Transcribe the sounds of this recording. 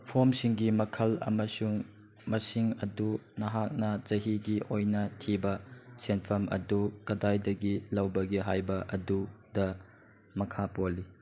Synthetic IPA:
pʰomsiŋɡimɐkʰɐlɐ̰mɐsuŋ | mɐsiŋɐdunɐɦak̚nɐd͡ʒɐɦiɡiʔojnɐtʰibɐsenpʰɐmɐ̰dukɐdajdɐɡilɐwbɐɡiɦajbɐʔɐdudɐ | mɐkʰapoli

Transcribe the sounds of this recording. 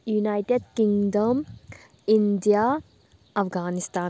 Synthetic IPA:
junajʈeɖ̚kĩŋɖəm | inɖija | ɐfɡaːnist̪aː

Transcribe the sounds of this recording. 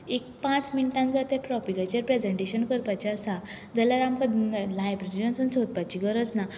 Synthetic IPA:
ek̚pãt͡sminʈãnd͡zat̪epɾɔpiɡat͡ɕəɾpɾed͡zeɳʈeɕənkəɾpat͡ɕiəsa | d͡zəljaɾamkalajbɾeɾiənsənt͡sot̪̚pat͡ɕiɡəɾət͡sna

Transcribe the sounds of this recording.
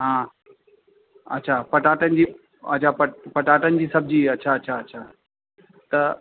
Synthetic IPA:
ɦãː | ɐ̰tːɕʰaːpɐʈaːʈənɪd͡ʑiː | ɐ̰tːt͡ɕʰaːpɐpɐʈaːʈənɪd͡ʑiːsɐb̚d͡ʑiːɐtːɕʰaɐtːɕʰaɐtːɕʰaː | t̪ɐ

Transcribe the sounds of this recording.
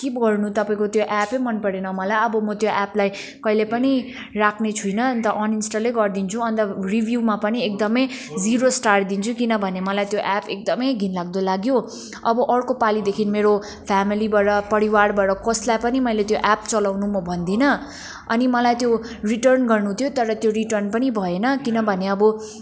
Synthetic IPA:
kibɡʌrnut̪ʌpaĩkot̪joʔapemʌnpʌɾenʌmʌlajʌbʌmʌt̪joʔaplaj | kʌilepʌni | rakʰnet͡sʰujnʌnt̪ʌʔʌninsʈʌleɡʌrd̪int͡sʰuʌnt̪ʌribʱjumapʌniek̚d̪ʌmʌj | d͡ziɾosʈard̪int͡sʰukinʌbʱʌnemʌlajt̪joʔapek̚d̪ʌmʌjɡʱinlaɡ̚d̪olaɡjo | ʌbʌʔʌrkopalid̪ekʰinmeɾo | pʰamilibaɾʌpʌɾiwaɽbaɾʌkʌslajpʌnimʌjlet̪joʔap̚t͡sʌlawnumʌbʱʌnd̪inʌ | ʌ̰nimʌlajt̪jo | riʈʌrnɡʌrnut̪ʰjot̪ʌɾʌt̪joɾiʈʌrnpʌnibʱʌenʌkinʌbʱʌneʌbʌ

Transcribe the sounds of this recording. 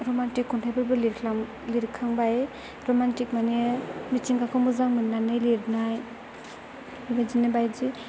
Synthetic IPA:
ɾomantikʰːuntʰajbɯɾbɯliɾa | liɾkʰaŋbaj | ɾomantik̚manemitiŋkakʰomuzaŋmɯnːanɯjliɾnaj | bad͡ʒinɯbajzi

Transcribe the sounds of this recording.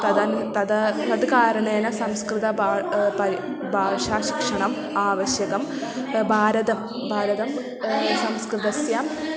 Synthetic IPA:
t̪ɐðɐnt̪ɐðɐt̪ɐd̪kaːɾɐɳenɐsɐmskrɨðɐbaːpɐɾi | bʱaːʂaːɕi̥kʂɐɳɐm | aːʋɐɕjɐɣɐm | bʱaːɾɐðɐm | bʱaːɾɐðɐm | sɐmskrɨd̪ɐsjaːm

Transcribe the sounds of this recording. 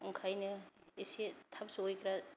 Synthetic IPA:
ɔŋkʰajnɯisetʰabsuojkʰɾa

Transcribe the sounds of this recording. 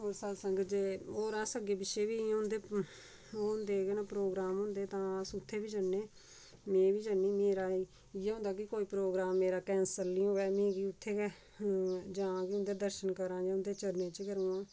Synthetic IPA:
ɦoːɾsad̪səŋɡd͡ʒeːoːɾãːsəɡeːbɪʃeːbĩːʊ̃nd̪eː | oʊnd̪eːɡeːnaːpɾoːɡɾaːmɦʊ̃ːnd̪eːt̪ãːsʊt̪ʰːeːbiːd͡ʒənːeː | mẽːʋiːd͡ʒənːiːmeːɾaːiː | ɪjẽɦʊ̃nd̪aːkɪkoːiːpɾoːɡɾaːmːeːɾaːkɛːnsəlːiːõːɛːmĩːkiːʊt̪ʰːeːkɛː | d͡ʒãːkɪʊ̃nd̪eːd̪əɾʃənkəɾãːd͡ʒãːʊnd̪eːt͡ʃəɾnẽːt͡ʃkəɾũːãː

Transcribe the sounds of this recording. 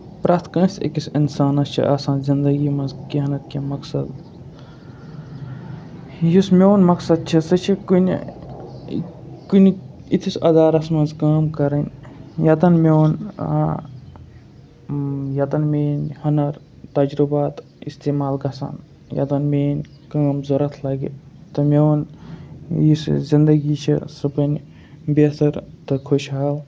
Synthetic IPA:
pɾaːt̪ʰkɐ̃ːnst̪ʰḛkisinsaːnɐst͡ʃʰḭʔaːsãːnzind̪ɐɡimɐnzkiɦɐnɐt̪̚kimɐksɐd̪ | jismʲoːnmɐksɐd̪̚t͡ʃʰisɐt͡ʃʰikun̰ | kuniit̪ʰisɐd̪aːɾɐsmɐnzkaːmkɐɾɐnʲjɐt̪ɐnmʲown | jɐt̪ɐnmeːnʲhɐnɐɾ | t̪ɐd͡ʒɾubaːt̪ | ist̪eːmaːlɡɐsa̰n | jɐ̰t̪ɐnmeːnʲ | kaːmzoɾɐt̪ʰlɐɡḭ | t̪ɨmewn | jiszind̪ɐɡit͡ʃʰḭsɐbɐnʲ | besɐɾt̪ɨkʰoʃɦaːl

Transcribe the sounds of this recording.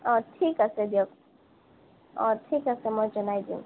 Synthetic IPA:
ɔːɾʈʰiːkəsed̪jok | ɔːɾʈʰiːkəsemɔd͡ʒɐnaːid̪iṵ̃

